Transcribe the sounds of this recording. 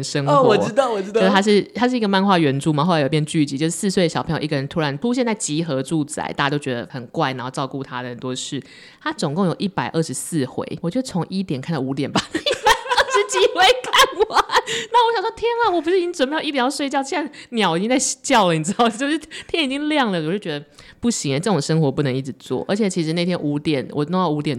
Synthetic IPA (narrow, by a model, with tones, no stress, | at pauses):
nʂə˦ŋ˧xwɔ˨˦ɻ̩˥t̪ɑ˥˨wɔ˨˩ɻ̩˥˧˥t̪a˥ʂɻ̩˥˩t̪ʰa˥ʂɻ̩˥˩i˧˥ɡə˧˦ma˥˧nxwa˥˩˨ɥɛ˧˥nʈ͡ʂu˥˩ma˨xo˥˩la˧˥jo˨˩pjɛ˥˧nt͡ɕy˥˩t͡ɕi˧˦t͡ɕjo˥˧ʊʂɻ̩˥sɹ̩˥˧swe˥˩dəɕɑ˨˩pʰɤ˧˥jo̰˨˩˨i˧ɡə˩ɻə˧˦nt̪ʰu˥ɻa˧˦np̪ʰu˥˦ɕjɛ˥˧nt͡sa˥˩ɪt͡ɕi˧˥xɤ˧˦˥ʈ͡ʂu˥˧t͡sa̰˨˩ɪt̪a˥˩a˧˥jo˥ʊt͡ɕɥɛ˧d̪ə̰˧xə˨˩nkwa˥˩ɪna˧˦˥xo˥˧ʈ͡ʂɑ˥˧ʊku˥˩t̪ʰa˦˥d̪ə˨˩hə˨˩nt̪wɔ˦˥ʂɻ̩˥˩ | t̪ʰa˥t͡sʊ˨˩ŋko˥˩ŋjo˨˩ʊʔi˥˩pa˨˩ɪʔə˥˩ʂɻ̩˧˦sɹ̩˥˩xwḛ˧˦ɪwɔ˨˩t͡ɕɥɛ˧˥ə˧˩t͡sʰo˧˦ŋʔi˥t̪jnkʰa˥˩nd̪ɑ˥˩ʊu˧˥t̪̬jɛ˨˩nba˨˩˥ə˥˩ʂɻ̩˥˧t͡ɕi˧˥xwe˧˥ɪkʰa˥˩nwa˨˩na˥˩wɔ˧˥ɕjɑ˨˩ŋʂwɔ˥t̪ʰjɛ˥nɐ˨wɔ˨˩pu˧˥ʂɻ̩˥˨˩t͡ɕi˥˧˨mə˧ji˥t̪jjɑ˥˧ʂwe˥˧ɪt͡ɕjɑ˥˧ʊt͡ɕʰi˥a˥˩njɑ˨˩ʊi˨˩t͡ɕi˥ŋt͡sa˥˧ɪt͡ɕjɑ˥˨ʊlə˩ni˨˩ʈ͡ʂɻ̩˧˥ɑ˥˩ʊt͡ɕjo˥˧ʊʂɻ̩˥˩t̪ʰjɛ˥ni˨˩t͡ɕi˥ŋljɑ˥˩ŋlə˨˩wo˨˩ʊʂɻ̩˥˩t͡ɕɥɛ˧˥d̪ə˧pu˥˩ɕi˧˥ŋə˧ʈ͡ʂɤ˥˩ʊ˨˩ŋʂə˥ŋxwɔ˧˥pu˥˩nə˧˥ŋi˥˩ʈ͡ʂɻ̩˨˩t͡swɔ̰˥˩ʔə˞˧˥t͡ɕʰjɛ˨˩t͡ɕʰi˧˥ʂɻ̩˧˦a˥˩t̪ʰjɛ˥nʔu˧˥t̪jɛ˨˩˦nwʔɔ̰˨˩no˥˧ŋjɑ˥˩ʊu˧˥t̪jɛ˨˩n